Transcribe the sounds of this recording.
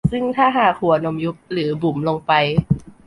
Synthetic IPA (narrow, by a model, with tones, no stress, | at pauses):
sɯ˥˩ŋt̪ʰaː˥˩ɦaː˨˩k̚hu˨˩˦ɐ˦no˧mju˦˥p̚lɯː˩˦bu˨˩˦mlo˧ŋpa˧j